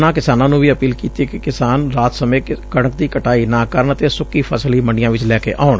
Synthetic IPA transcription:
nãːkɪsaːnãːnũːʋiːəpiːlkiːt̪iekɪkɪsaːnɾaːt̪səmẽːkəɽ̃ək̚d̪iːkəʈaːiːnãːkəɾəɳət̪eːsʊkːiːpʰəsəliːməɳɖɪjãːʋɪt͡ʃlɛːkḛːʔaːʊɳ

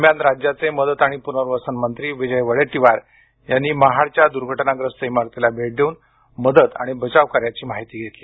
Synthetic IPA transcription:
mjanɾad͡ʑjat͡seməd̪ət̪aɽ̃ipunəɾʋəsənmənt̪ɾiːʋid͡ʑəjʋəɭeʈiʋaɾ | janːiːməɦaɽt͡ɕjad̪uɾɡʱəʈnaɡɾəst̪əimaɾt̪ilabʱeʈ̚d̪ʱeun | məd̪ət̪a̰ɽ̃ibət͡ɕaʋkaɾjat͡ɕiːmaɦit̪iːɡʱet̪li

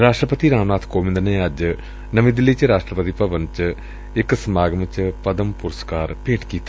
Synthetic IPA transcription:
ɾaːʂʈrɐpɐt̪iɾaːmnaːt̪ʰkoːmind̪ɐnɐjaːd͡ʑɨ | nɐmid̪ilːit͡ɕːɨɾaːʂʈrɐpɐt̪ipɐʋɐnt͡ɕːɨ | ekːɨsmaːɡɐmɐt͡ɕːɨpɐd̪ɐmpuɾɐskaːrpeːʈʰi̥kiːt̪ː

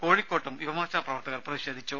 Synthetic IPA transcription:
koːɻikʲːoːʈːɐmiʋɐmaːɕaːprɐʋɐrt̪ɐɣɐrprɐiɕeːd̪ʱit͡ɕːu

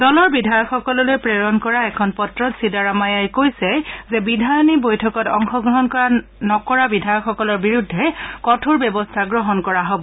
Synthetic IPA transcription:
dɔlɔɹbidʱajɔkxɔkɔlɔlojpɹeɹɔnkɔɹaɛkʰɔnpɔtɹɔtsidaɹamajajkojsɛzɛbidʱajɔnibojtʰɔkɔtɔŋxɔɡɹɔɦɔnkɔɹanɔkɔɹabidʱajɔkxɔkɔlɔɹbiɹudʱːɛkɔtʰuɹbɛbɔstʰaɡɹɔɦɔnkɔɹaɦobɔ

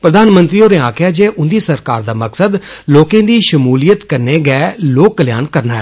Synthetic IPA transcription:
pɾəd̪aːnmə̃nt̪ɾiːoːɾẽːaːkʰjaːd͡ʒeːʔʊnd̪iːsəɾkaːɾd̪aːməksəd̪loːkẽːd̪iːʃəmuːlijət̪kəɾneːɡɛːloːkːəlja̰ːnkəɾnaːɦɛː

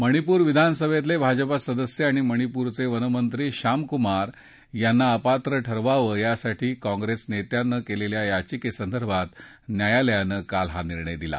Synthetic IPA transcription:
məɽ̃ipuːɾʋid̪ʱansəbʱet̪̬lebʱad͡ʑpasəd̪əsjəaɽ̃iməɽ̃ipuɾt͡seʋənəmənt̪ɾiɕamkumaɾ | janːaəpat̪ɾəʈʰəɾʋaʋəjasaʈiːkɔ̃ŋɡɾesnet̪janːəkeleljajat͡ɕikesənd̪əɾbʱat̪ | njajaljanəkalɦaniɾɳəjd̪ila̰

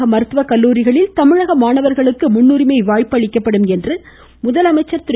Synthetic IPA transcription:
ɐmɐɾɯt̪ʋɐkɐlːuːɾɪɣɐɭɪlt̪ɐmɪɻɐɣɐmaːɳɐʋɐɾɣɐɭɯkːɯmʊnːuɾɪmɐɪʋaːjpɐɭɪkːɐpːɐɽɯmɛndrɯ | mʊðɐlɐmɐɪt͡ʃːɐɾt̪ʊ

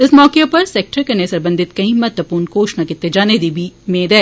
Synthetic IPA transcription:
ɪsmɔːkepɐɾsɛːk̚ʈəɾkɐɾnesɐɾbə̃nd̪ʱɪt̪kɐĩmɐt̪ʋəpuːɾnkoːʃnakɪt̪ːed͡ʒaːned̪ibʱimẽːd̪ɛː

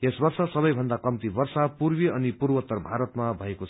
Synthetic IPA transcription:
esbʌrsasʌbʌjbʱʌnd̪akʌmt̪ibʌrsapurbiʌnipurbʌt̪ːʌrbʱaɾʌt̪mabʱʌekot͡sʰ

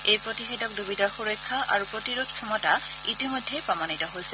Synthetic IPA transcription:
ejpɹotixedɔk̚dubitaxuɹɔjkʰːaʔa̰ɹupɹotiɹod̚kʰɔmɔta | itimojdʱːepɹaɔmanitɔɦojsɛ̥

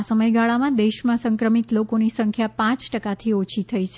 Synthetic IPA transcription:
səməjɡaɭamãd̪eʃmãsəŋkɾəmit̪lokonisəŋkʰjapãt͡ʃʈəkat̪ʰiot͡ʃʰit̪ʰəit͡ʃʰe

